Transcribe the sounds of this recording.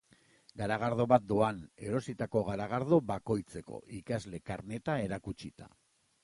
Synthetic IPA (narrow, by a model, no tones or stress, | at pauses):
ɡaɾaɣ̞aɾðo̞βat̪̚d̪oane̞ɾo̞sit̪ako̞ɣaɾaɣ̞aɾðo̞βako̞jt͡se̞ko̞̰ʔikazle̞kaɾne̞t̪ae̞ɾakut͡ʃit̪a̰